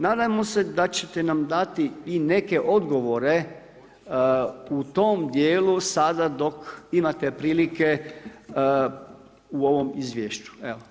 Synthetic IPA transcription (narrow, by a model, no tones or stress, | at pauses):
naːd̪ajmose̞d̪at͡ɕet̪enamd̪at̪iːne̞ke̞ʔo̞d̪ɡo̞ʋo̞ɾe̞ | ut̪o̞md̪jeːlusad̪ad̪o̞kimat̪epɾiːlike | uo̞ʋo̞mizʋjeːʃt͡ɕu̥eʋo